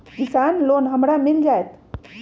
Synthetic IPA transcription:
kɪsaːnloːnɦɐmɾamɪld͡ʒaːet̪

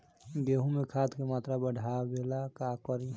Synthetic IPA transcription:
ɡeɦũmekʰad̪kemaːt̪ɾabəɖʱabelakakɔɾi

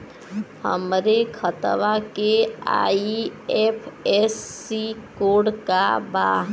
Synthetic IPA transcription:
hə̰mɾekʰət̪ʋakea̰iepʰesːikoɽkaba

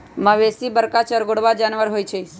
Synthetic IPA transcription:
məʋesibəɾkat͡ʃəɾɡoɽʋad͡ʒaːnʋəɾɦoit͡ʃʰes

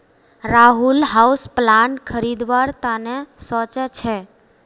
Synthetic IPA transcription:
ɾaːɦulɦausplaɳkʰəɾid̪ʋaɾt̪anɛsɔt͡ʃɛt͡ʃʰɛ

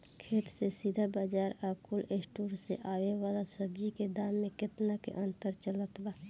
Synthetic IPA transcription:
kʰeːt̪sesid̪ʱabaːd͡ʒaːɾakʊlesʈuːɾsḛʔaːwewaːlasəbd͡ʒiked̪aːmːẽkɪt̪nakḛʔənt̪əɾt͡ʃələt̪baː

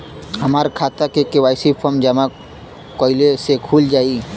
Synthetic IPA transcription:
həmaːɾkʰaːt̪akekewaːɪsipʰɔɾmd͡ʒəma | koːɪlesekʰuːld͡ʒaːi

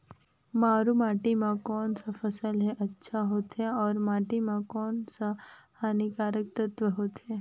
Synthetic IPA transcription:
maːɾumaːʈimãkɔːnsafəsəlɦeʔɐtːʃʰaɦoːt̪ɦeɔːɾmaːʈimãkɔːnsahaːnikaːɾək̚t̪ət̪ʋəɦoːt̪ɦe

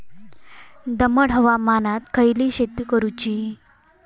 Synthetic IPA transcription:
d̪əməɽɦəʋamanat̪kʰəjliːɕet̪ikəɾut͡ɕiː

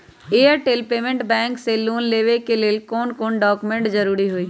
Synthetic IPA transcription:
eəɾʈelpeːmẽɳʈbɛ̃ːŋkseloːnleːʋekeleːlkoːnkoːnɖɔːkumẽɳʈd͡ʒəɾuːɾiɦoiː

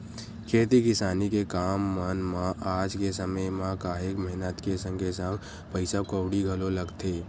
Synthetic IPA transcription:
kʰeːt̪ikɪsaːnikekaːmːənmãʔaːd͡ʒkesəməjmãkaːɦekməɦɪnət̪kesə̃ŋɡesə̃ŋɡ | pəɪsakəʊɽiɡʱɐloləɡt̪ʰeː

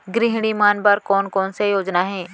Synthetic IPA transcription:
ɡɾɪɦɽ̃imaːnbaɾkɔːnkɔːnsejoːd͡ʒnaɦɛ̃ː

